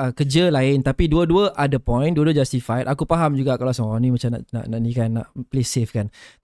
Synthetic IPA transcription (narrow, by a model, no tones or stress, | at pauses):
əkəd͡ʒəlaɪnt̪apiduəduəʔadəpɔ̃j̃nduəduəd͡ʒast̪ifajt̪ʔakupaɦamd͡ʒuɡaʔkalasəŋanĩmat͡ʃamna̰ʔna̰ʔnaʔnĩkanːa̰ʔplesefkan